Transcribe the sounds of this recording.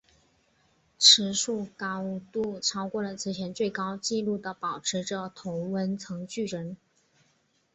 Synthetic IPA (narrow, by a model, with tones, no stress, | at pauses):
ʈ͡ʂʰɻ̩˧˥ʂu˥˩kɑ˥u˧˥t̪u˥˩ʈ͡ʂʰɑ˥ʊkwɔ˥˩lə˨˩t͡sʰɹ̩˧˥ɕʰjɛ˧˥nt͡swe˥˩ɪkɑ˥ʊt͡ɕi˥˧lu˥˩d̪ə˩pɑ˨˩ʊʈ͡ʂʰɻ̩˧˥ʈ͡ʂə˥˧t̪ʰʊ˧˥ŋwə˥nt͡sʰɤ˧˥ŋt͡ɕy˥˩ɻə˧˥n